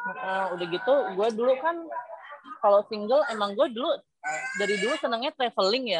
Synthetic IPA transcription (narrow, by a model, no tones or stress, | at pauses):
ʔəudahɡit̪uɡuɛdulukan | kalosiŋɡəlemaŋɡuɛdulu | daɾidulusənəŋɲat̪ɾefəlɪŋja